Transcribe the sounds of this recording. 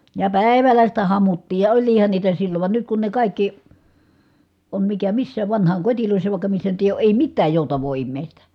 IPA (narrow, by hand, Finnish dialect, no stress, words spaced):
jɑ pæˑi̯ʋælːæ sitæ hɑmutːiːj jɑ olʲliːhɑn niːtæ silːoʋ ʋɑn nyt kun ne kɑˑikːi on mikæ misːæːʋ ʋɑnhɑːŋkotiloˑisːɑ jɑ ʋɑˑikːɑ misːæ nyt eˑi oː ʔeˑi mitːæːj joˑutɑʋˑoː imːeˑistæ